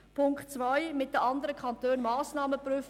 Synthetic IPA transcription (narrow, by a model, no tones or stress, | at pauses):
pʰʊŋktt͡svaɪmɪt̚dəʔɑndəɾəkʰɑntøːnmaːsnɑːməpɾyːf